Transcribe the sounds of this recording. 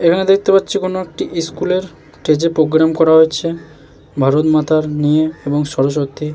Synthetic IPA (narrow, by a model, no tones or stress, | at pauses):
ekʰaned̪ek̚ʰt̪epatːɕʰikonoek̚ʈiʔiskuleɾ | ʈed͡ʑepɾoɡɾamkɔɾaɦoet͡ɕʰe | bʱaɾot̪mat̪ʰaɾnijeeboŋʃɔɾoʃ̬ok̚t̪ʰi